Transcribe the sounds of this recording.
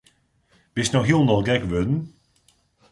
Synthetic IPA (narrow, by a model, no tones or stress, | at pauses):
b̥ɪsnɔxɦilˠnɔlˠɡɛkʋødn̩